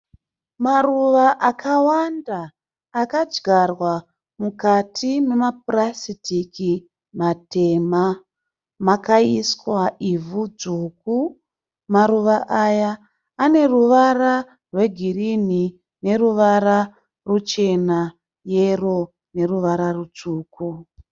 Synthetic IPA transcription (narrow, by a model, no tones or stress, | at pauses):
maruʋaʔakawandaː | kad͡ʒɡʱarwa | mukatʰime̞map̚rasitiki | mate̞ma | makaiskwaivud͡zuku | maɾuʋaʔajaː | ne̞ruʋara | rwe̞ɡʱirini | ne̞ruʋaɾa | rut͡ʃe̞na | jero̞ | ne̞ruʋaɾarut͡ʂuːku